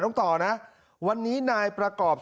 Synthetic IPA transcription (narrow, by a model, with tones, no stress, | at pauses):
nɔ˥˩ŋt̪ɔː˨˩na˦˥ʔ | wa˧nːiː˦˥naː˧jpɾa˧kɔː˨˩p̚